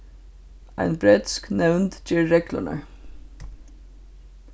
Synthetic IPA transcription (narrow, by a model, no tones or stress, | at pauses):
ʔæɪnbɾet̪sknɛʋnt̪d͡ʒiːɹɛklə̰ɳə̰